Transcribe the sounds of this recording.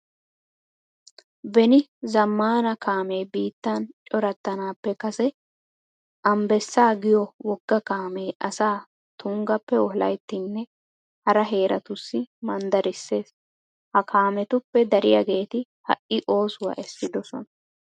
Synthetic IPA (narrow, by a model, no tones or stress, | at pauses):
bɛnɪzɐmːaːnɐkaːme̞ːbiːt̪ːant͡ʃʼɔɾɐt̪ːɐnaːpːɛkɐsɛ | ʔɐmbɛsːaːɡɪjɔwɔɡːɐkaːmeːʔɐsaː | t̪ʊŋɡɐpːɛɔhlɐ̰jt̪ːɪnːɛ | hɐɾɐɦe̞ːɾɐt̪ʊsːɪmɐnd̪ɐɾɪsːe̞ːs | hɐkʰaːmɛt̪ʊpːɛd̪ɐɾɪjɐ̰ɡe̞ːt̪ɪ | hɐ̰ʔʔɪʔo̞ːsʊwɐ̰ʔɛsːɪd̪ɔsɔ̰nɐ̥